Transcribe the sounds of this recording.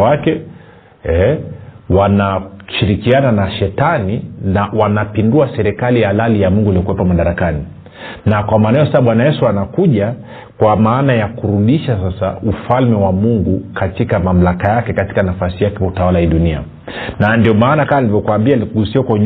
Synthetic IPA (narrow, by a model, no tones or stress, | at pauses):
wakɛ | ɛ | wanaʃiɾikiananaʃɛtaninawanapinduasɛɾɛkaliaalalijamuŋɡuiliɔkuwɛpɔmaɗaɾakani | nakwamaːnaɛjɔsasaɓwanajɛsuanakuʄa | kwamaːnajakuɾuɗiʃasasaufalmɛwamuŋɡukatikamam̩lakajakɛkati̥kanafasijakɛwautawalahiɗunia̰ | nandiɔmaːnakamanilivɔkwambiakuɡusiwakwaɲ